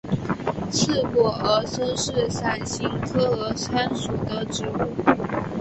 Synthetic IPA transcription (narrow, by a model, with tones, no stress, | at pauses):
t͡s̩ʰ˥˩kwɔ˨˩ə˧˥sʰɤ˥ŋʂɻ̩˥˩sa˨˩nɕi˥ŋkʰɤ˥ə˧˥t͡sʰa˥nʂu˨˩d̪ə˦ʈ͡ʂɻ̩˧˥u˥˩